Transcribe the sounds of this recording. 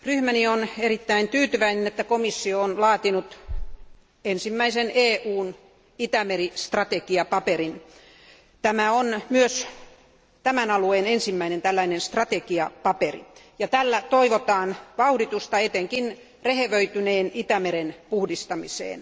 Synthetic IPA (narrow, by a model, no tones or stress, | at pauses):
ryhmænionerit̪ːæint̪yːt̪yʋæinenet̪ːækomisːioonlɑːt̪inut̪ | ensimːæiseneːuːn | it̪æmerist̪rɑt̪ekiɑpɑperin | t̪æmæonmyøs | t̪æmænɑlueːnensimːæinent̪ælːæinenst̪rɑt̪ekiɑpɑperḭ | jɑt̪ælːæt̪oiʋot̪ɑːnʋɑuhdit̪ust̪ɑet̪eŋkin | reheʋøit̪yneːnit̪æmeɾenpuhdist̪ɑmisḛːn